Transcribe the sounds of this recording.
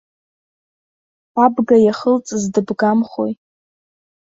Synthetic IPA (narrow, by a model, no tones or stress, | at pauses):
abɡajaχəlt͡sʼzdɨbɡamχo̰j